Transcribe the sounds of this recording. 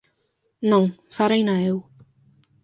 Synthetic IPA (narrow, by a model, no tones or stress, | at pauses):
nɔŋfaɾejnaɪw